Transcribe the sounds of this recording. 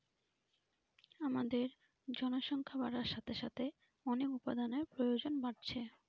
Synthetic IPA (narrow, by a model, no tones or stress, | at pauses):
amad̪eɾ | d͡ʑɔnoʃɔŋkʰabaɾaʃat̪ʰeʃat̪ʰe | ɔnekupa̰d̪aneɾpɾojod͡ʑonbaʈ̚t͡ɕʰe